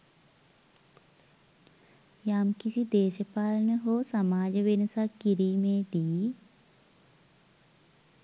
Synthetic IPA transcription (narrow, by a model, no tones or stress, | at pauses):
jaːmkisid̪eːʃəpaːlnəɦoːsɐmaːd͡ʒʋɪnəsakiɾimẽd̪iː